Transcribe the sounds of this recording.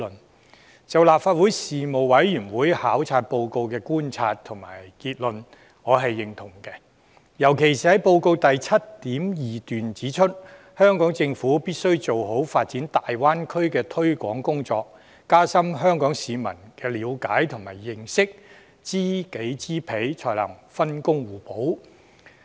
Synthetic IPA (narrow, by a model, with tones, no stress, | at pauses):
n | t͡sɐ˨wlaː˨p̚faː˧t̚wuː˨˥jsiː˨mo˨wwɐ˨˥jjyː˨˩nwuː˨˥jhaː˨˥wt͡sʰaː˧t̚po˧wko˧wkɛː˧kuː˥nt͡sʰaː˧t̚t̪ʰʊ˨˩ŋma̰ː˨˩jkiː˧t̚lɵ˨n | ŋɔː˨˧ɦɐ˨jːɪ˨ŋt̪ʰʊ˨˩ŋkɛː˧ | jɐ˨˩wkʰe˨˩jsiː˨hɐ˨˥jpo˧wko˧wt̪ɐ˨jt͡sʰɐ˥t̚t̪iː˨˥mjiː˨t̪yː˨nt͡siː˨˥t͡ʃʰɵ˥t̚ | hœː˥ŋkɔː˨˥ŋt͡sɪ˧ŋfuː˨˥piː˥t̚sɵ˥ɥt͡so˨wɦo˨˥wfaː˧t̚t͡siː˨˥nt̪aː˨jwaː˥nkʰɵ˥ɥkɛː˧t̪ʰɵ˥ɥkʷɔː˨˥ŋkʊ˥ŋt͡sɔː˧k̚ː | aː˥sɐ˥mɦœː˥ŋkɔː˨˥ŋsiː˨mɐ˨˩nkɛː˧liː˨˧˥wkaː˨˥jt̪ʰʊ˨˩ŋmaː˨˩jːɪ˨ŋsɪ˥k̚ | t͡siː˥ke˨˥jt͡siː˥pʰe˨˥jt͡sʰɔː˧˩jlɐ̰˨˩ŋfɐ˥nkʊ˥ŋwuː˨˩po˨˥w